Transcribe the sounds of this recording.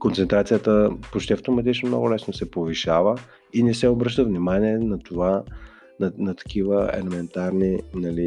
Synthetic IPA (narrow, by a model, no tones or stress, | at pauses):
kont̪sɛnt̪ɾat̪sijət̪əpot͡ʃt̪ʲiəft̪omɐt̪̬it͡ʃnomnɔ̰ɡʊlɛsnosɛpoviʃavə | inɛsɛobɾɤʃt̪əvnimaniɛnɐt̪ova | nɐnɐt̪ɐ̥kivəɛ̰lɛmɛnt̪aɾninɐli